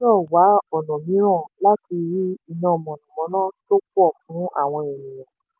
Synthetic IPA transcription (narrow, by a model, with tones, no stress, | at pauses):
ã˦˨wa˨˦ɔ˨nɔ̃˨mĩ˨˦ɾ̃ã˦˨la˦ti˧ɾi˦i˨nã˨mɔ̃˨nũ˨mɔ̃˨˧˦nã˦to˦k̚u˦ɔ˦˨fũ˨˦a̰˦˨w̃ɔ̃˧e˨nĩ˨jɔ̃˨